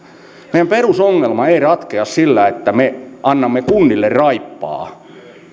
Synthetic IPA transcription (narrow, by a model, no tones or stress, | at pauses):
meˑijæmperusoŋːelmɑeirɑt̪keɑssilːæet̪ːæmeʔɑnːɑmːekunːilːerrɑipːɑ̰ː